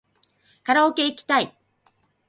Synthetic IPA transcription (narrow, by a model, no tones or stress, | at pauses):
kaɾaoke̞ikʲi̥t̪ai